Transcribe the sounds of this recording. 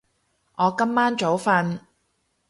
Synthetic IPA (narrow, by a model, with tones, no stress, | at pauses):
ŋʔɔː˨˧kɐ˥mːaː˥nt͡ʃo˨˥wfɐ˧n